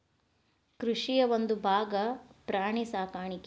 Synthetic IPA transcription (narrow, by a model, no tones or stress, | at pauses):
kɾuʂijɐʋond̪ubʱaːɡɐpɾaːɳisaːkaːɳik